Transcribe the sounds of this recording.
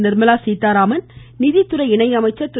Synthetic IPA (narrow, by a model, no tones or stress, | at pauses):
nɪɾmɐlaːsiːt̪ːaːɾaːmɐnnɪðit̪ːʊɾɐɪɳɐɪɐmɐɪt͡ʃːɐt̪ːʊ